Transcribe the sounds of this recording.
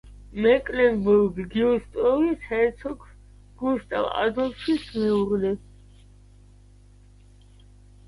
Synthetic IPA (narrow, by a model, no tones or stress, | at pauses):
mɛkʼlɛnbuɾɡɡiɔst̪ʼɾɔvisʰɛɛt̪sʰɔk | ɡ̥uʃt̪ʼa̰va̰zɔlʃismɛuɾlɛ